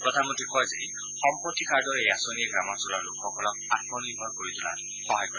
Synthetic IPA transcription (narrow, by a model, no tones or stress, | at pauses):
pɹɔt̪ʰamɔntɹikɔjzḛ | xɔmpɹɔtːikʰaɹdɔɹejasoniɛɡɹamɔsʊlaɹlʊkʰːɔkʰɔlɔk̚atmɔniɹbʱɔɹkoɹit̪ʰʊla̰ | xɔɦajkɔɹɛ